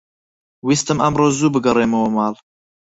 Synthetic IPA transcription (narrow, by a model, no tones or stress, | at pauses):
wist̪ɨmɐmroːzuːbɨɡɐreːmɐwɐmɑːl